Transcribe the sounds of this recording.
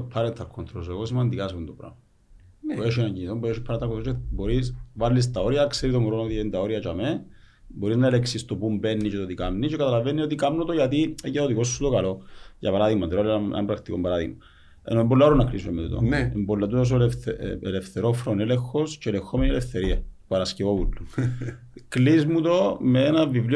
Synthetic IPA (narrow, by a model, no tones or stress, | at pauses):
pʰːɐɾent̪ʰɐɾkʰont̪ɾoseɣosimɐnd̪ikasund̪opɾa̰m | peʃinɐɲɟiniθombueʃipʰːɐɾent̪ɐɾkːonɾobo̞ɾisvalːis̬t̪ɐoɾiɐkseɾit̪oŋɡɾonoot̪ient̪ɐoɾiɐt͡ʃɐmeboɾiznɐeleksist̪opumbenːiceot̪ikamnicekɐt̪ɐlɐvenːiot̪̬ikamnot̪oʝɐt̪iecːɐoðiko̞sːut̪okɐlo̞ʝɐ̰pɐɾaðiɣmɐnd̪eolenɐ̰ɐ̰mpɾɐkt̪ikombɐɾaðiɣmɐ | ḛnoembolːaoɾonːɐklisomet̪ut̪o̰embolːɐt̪uos̬olflefθeɾofɾonelexosceːlexomenilefθe̞ɾiɐpɐɾɐscevovulːu | klizmut̪omeenɐvivli